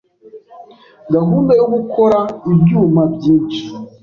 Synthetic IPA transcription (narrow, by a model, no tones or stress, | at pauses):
ɡaɦuːndauɡukʰoɾaibɟjuːmabɟiːnʃi̥